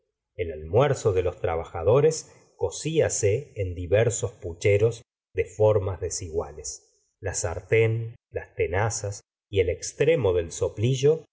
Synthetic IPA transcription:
elalmwɛɾso̞ðe̞lo̞st̪ɾaβ̞axað̞o̞ɾes | ko̞siaseːnd̪iβɛɾso̞sput͡ʃeɾo̞z | ðe̞fo̞ɾmazðe̞siɣwales | lasa̰ɾt̪enlast̪enasas | ielekst̪ɾemo̞ðe̞lso̞pliʒo̞

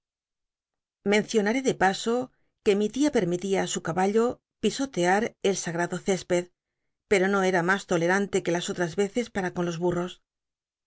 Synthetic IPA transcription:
mẽ̞n̟θjo̞naɾe̞ðe̞paso̞ | ke̞mit̪iape̞ɾmit̪iaːsukaβaʎo̞ | piso̞t̪e̞aɾe̞lsaɣɾaðo̞θe̞spe̞ð | pe̞ɾo̞no̞e̞ɾamast̪o̞le̞ɾant̪e̞ke̞laso̞t̪ɾazβe̞θe̞spaɾakonlozβuro̞s

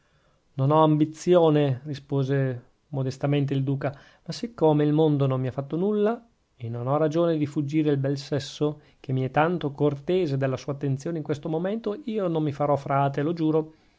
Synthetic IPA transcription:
nonɔambit̪sːjoːnerispoːze | mod̪est̪ament̪̬eild̪uːka | masikːoːmeilmond̪onomːiafːat̪ːonulːa | enːonɔrad͡ʒoːned̪ifud͡ʒːiːɾeilbɛlsɛsːo | kemːiɛt̪ːant̪okort̪eːzed̪elːasuːat̪ːent̪sjoːneiŋkwest̪omoment̪oiːonomːifaɾɔfɾaːt̪elod͡ʒuːɾo

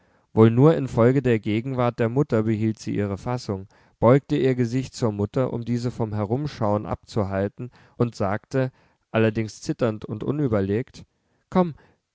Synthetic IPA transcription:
voːlnuːɐɪnfɔlɡədeːɐɡeːɡŋ̩vaɐt̚d̥eːɐmʊtɐbəɦiːltz̥ḭːʔḭːʁ̞əfasʊŋ | b̥ɔʏk̚təʔiːɐɡəzɪçtt͡suːɐmʊtɐʔʊ̰mdiːzəfɔmɦɛʁ̞ʊmʃaʊənʔa̰p̚t͡suɦaltn̩ | ʔʊntz̥aːktə | ʔalɐdɪŋst͡sɪtɐntʊntʔʊ̰nyːbɐleːkt | kʰɔm

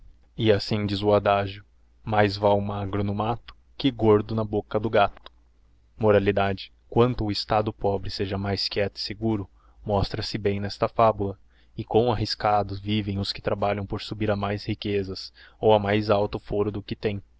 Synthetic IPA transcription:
ɪasĩd͡ʒizʊad̪aʒʊ | majzvaʊmaɡɾʊnʊmat̪ʊ̥ | kɪɡoɾd̪ʊnɐbokɐd̪ʊɡat̪ʊ̥ | moɾalid̪ad͡ʒɪ | kwɐ̃nt̪ʊːɪst̪ad̪ʊpɔbɾɪseʒɐmajskɛt̪ʊɪ̥seɡuɾʊ | mɔst̪ɾɐsɪbẽj̃nɛst̪ɐfabulɐ | ɪkõw̃aɦiskad̪ʊzvivẽj̃ʊskɪ̥t̪ɾabaʎɐ̃w̃poɾsubiɾɐmajshikezɐsowɐmajzawt̪ʊfoɾʊd̪ʊkɪt̪ẽj̃

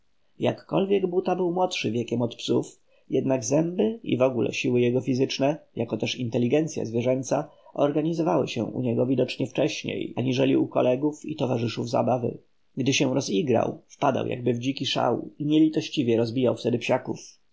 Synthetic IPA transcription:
jakːɔlvʲjɛɡbut̪abɘwmwɔt̪ʂɘvʲjɛkʲɛmɔt̪psuf | jɛd̪naɡzɛmbɘḭvɔɡulʔɛ̰ɕiwɘjɛɡɔfʲizɘt͡ʂnɛjakɔt̪ɛʂint̪ɛlʲːiɡɛnt̪sʲja̰zvʲjɛʐɛnt̪saɔɾɡaɲizɔvawɘ̰ɕɛ̰̃ʔṵɲɛɡɔvʲid̪ɔt͡ʂɲɛft͡ʂɛɕɲḛjaɲiʐɛlʲḭukɔ̰lɛɡufḭt̪ɔvaʐɘʂuvza̰bavɘ̰ | ɡd̪ɘɕɛ̃ɾɔziɡɾa̰wfpad̪a̰wja̰ɡ̚bɘvd͡ʑikʲiʂa̰wiɲɛlʲit̪ɔɕt͡ɕivʲjɛɾɔzbʲijawft̪ɛd̪ɘpɕakuf

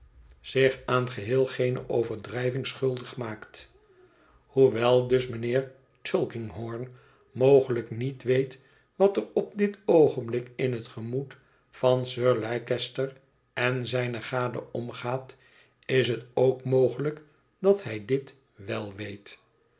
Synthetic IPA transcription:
z̥ɪχaːnχəɦɪːlˠχejnə̰ʔowvəɹdrɛjvɪŋsχɵlˠdəχmaːkt | huʋɛlˠdɵsmənɪːɹ | t͡ʃʏlˠkɪŋɦɔɹn | mowχələknitʋejt | ʋɑtərɔb̚dɪtowχənblɪkɪnɦətχəmut | fɑnsøːɹlɛjkɛstəɹ | ɛnzɛjnəχaːdə̰ɔmχaːt | ɪs̬ətowkmowχələk | dɑtɦɛjdɪt | ʋɛlˠʋejt

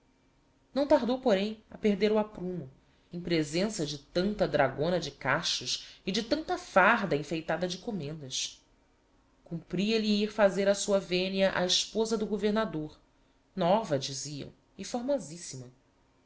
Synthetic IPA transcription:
nɐ̃w̃t̪aɾd̪owpoɾẽj̃ɐpeɾd̪eɾuapɾũmʊ | ẽj̃pɾezẽsɐd͡ʒɪt̪ɐ̃nt̪ɐd̪ɾaɡõnɐd͡ʒɪkaʃʊʃɪd͡ʒɪt̪ɐ̃nt̪ɐfaɾd̪ɐĩfejt̪ad̪ɐd͡ʒɪkomẽnd̪ɐs | kũmpɾiɐliiɾfazeɾɐsuɐvẽniɐʔaɪʃpozɐd̪ʊɡoveɾnad̪oɾ | nɔvɐd͡ʒiziɐ̰̃w̃ | ɪfoɾmɔzisimɐ

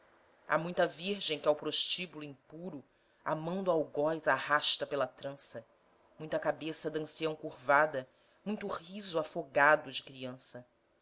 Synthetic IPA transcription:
a̰mũj̃t̪ɐviɾʒẽj̃kɪawpɾoʃt͡ʃibuluĩŋpuɾʊ | a̰mɐ̃nd̪ʊawɡɔjzahaʃt̪ɐpelɐt̪ɾɐ̃sɐ | mũj̃t̪ɐkabesɐd̪ɐ̃siɐ̃w̃kuɾvad̪ɐ | mũj̃t̪ʊhizuafoɡad̪ʊd͡ʒɪkɾiɐ̃sɐ

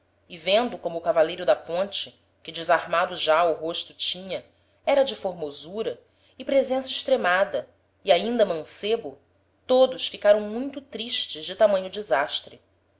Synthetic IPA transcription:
ɪvẽnd̪ʊkõmʊːkavalejɾʊd̪ɐpõnt͡ʃɪ | kɪd͡ʒɪzahmad̪ʊʒaʊɦoʃt̪ʊt͡ʃĩɲɐ | ɛɾɐd͡ʒɪfoɾmozuɾɐ | ɪpɾezẽsɐɪʃt̪ɾemad̪ɐ | iaĩnd̪ɐmɐ̃sebʊ | t̪od̪ʊʃfikaɾɐ̃w̃mũj̃t̪ʊt̪ɾiʃt͡ʃɪʒd͡ʒɪt̪amɐ̃ɲʊd͡ʒɪzaʃt̪ɾɪ

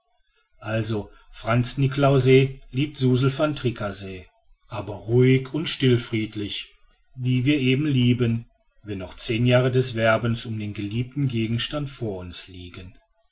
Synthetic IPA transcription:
ʔalzo | fʁ̥ant͡snɪklaʊzeliːp̚tz̥uːzl̩fantʁ̥ikʰazeː | ʔaːbɐʁuɪkʰʊntʃtɪlfʁ̥iːtlɪç | viːviːɐʔeːbm̩liːbən | vɛnːɔχt͡seːnjaːʁədɛsv̥ɛɐbənsʊmdeːnɡəliːp̚tn̩ɡeːɡŋ̩ʃtantfoːɐʊnsliːɡən

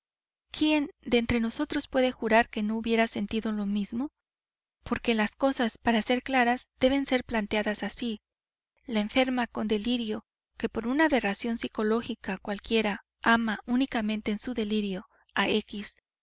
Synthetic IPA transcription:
kje̞nd̪ent̪ɾe̞no̞so̞t̪ɾo̞spwe̞ðe̞xuɾaɾke̞no̞uβje̞ɾase̞nt̪iðo̞lo̞mizmo̞ | po̞ɾke̞lasko̞saspaɾase̞ɾklaɾaz̥d̪̥e̞β̞e̞nse̞ɾplant̪eaðasasi | laeɱfe̞ɾmako̞nd̪e̞liɾjo̞ | ke̞po̞ɾunaβe̞rasjo̞nsiko̞lo̞xikakwalkje̞ɾa | amaʔunikamẽ̞nt̪e̞ːnsuðe̞liɾjo̞ | aekis

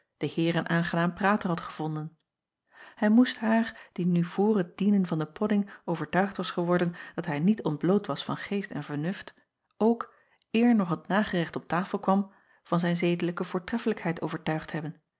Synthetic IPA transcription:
d̥əhɪːrənʔaːnχənaːmpraːtəɹɦɑtχəv̥ɔndən | hɛjmustɦaːɹd̥inyvʊːrɦət̚dinənvɑndəpʰɔdɪŋowvəɹtœɥχtʋɑsχəʋɔɹdənd̥ɑtɦɛjnitɔnd̚blowtʋɑsfɑ̰nχejstɛ̰nvəɹnɵft | ʔowk | ɪːɹnɔχətnaːχərɪχtɔp̚taːfəlˠkʋɑm | v̥ɑnzɛjnzejdələkəvʊːɹtrɛfələkɦɛjtowvəɹtœɥχtɦɛbən

